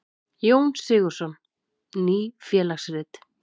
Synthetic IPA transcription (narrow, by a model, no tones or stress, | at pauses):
joːwnsɪːɣʏɾ̥sɔn | niːfjɛːlaxsrɪt̪